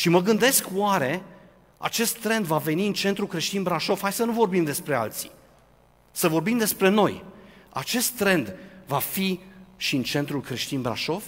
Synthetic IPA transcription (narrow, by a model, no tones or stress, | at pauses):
ʃiməɡɨnd̪e̞skwaɾe̞ | a̰t͡ʃe̞st̪ːɾe̞nd̪vave̞niɨnt͡ʃe̞nt̪ɾulkɾe̞ʃt̪inbɾaʃo̞fhajsənuvo̞rbimd̪e̞spɾe̞a̰lt̪si̥̰ | səvo̞rbimd̪e̞spɾe̞no̞ja̰t͡ʃe̞st̪ːɾe̞nd̪vafiʃiɨnt͡ʃe̞nt̪ɾulkɾe̞ʃt̪inbɾa̰ʃo̞v